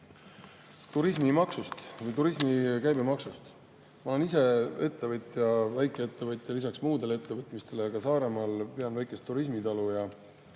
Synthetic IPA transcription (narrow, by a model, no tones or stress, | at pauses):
t̪uɾismimɑksust̪vɯjt̪uɾismikæjbemɑksust̪ | mɑole̞nise̞e̞t̪ːe̞vɤt̪jɑvæjkˑeet̪ːe̞vɤjt̪ˑjɑlisɑksmuːd̪e̞leet̪ːe̞vɤt̪ˑmist̪e̞lekɑsɑːɾe̞mɑlpeɑnvæjkːˑe̞st̪ːuɾis̬mit̪ɑlujɑ